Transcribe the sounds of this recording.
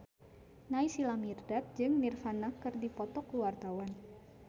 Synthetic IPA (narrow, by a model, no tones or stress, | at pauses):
naisilamirdat̪̚d͡ʒɨŋnirfanakɨrdipɔt̪ɔkuwart̪awan